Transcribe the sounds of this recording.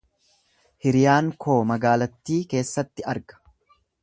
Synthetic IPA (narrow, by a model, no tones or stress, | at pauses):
hɪɾɪjaːŋkʰo̞ːmɐɡaːlɐt̪ːiːke̞ːsːɐt̪ːɪɐɾɡɐ̥